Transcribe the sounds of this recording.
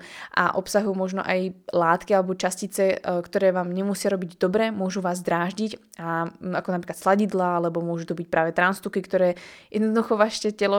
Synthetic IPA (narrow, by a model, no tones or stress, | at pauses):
ʔa̰ʔɔpsaɦujmɔʒnɔ̰ʔajlaːt̪kialɛbɔt͡ʃascit͡sɛkt̪ɔɾɛːʋaːmɲɛmusɪaɾɔbiɟd̪ɔbɾɛmʊɔʒuʋaːzd̪ɾaːʒɟic | aakɔnapɾiklat̪slaɟid̪laalɛbɔmʊɔʒut̪ɔbic̚pɾaːʋɛt̪ɾanst̪ukikt̪ɔɾɛːjɛd̪nɔd̪uxɔʋaʃɛcɛlɔ